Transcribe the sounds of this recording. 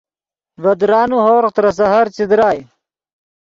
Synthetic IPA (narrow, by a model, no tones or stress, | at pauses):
ʋɐd̪ɾaːnuɦoːɾqt̪ɾɐs̬ɐɦɐɾt͡ɕid̪ɾaːj